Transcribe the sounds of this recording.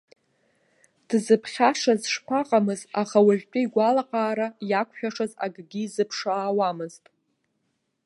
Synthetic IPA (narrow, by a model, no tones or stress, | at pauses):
d̥zɨpʰχʲaʂazʂpʰaqʼamɨzaχawaʒʲʷᶣpʼiiɡʷalaqʼaːɾajakʷʰʃᶣaʂaza̰ɡɡʲizɨpʰʂaːwamɨztʼ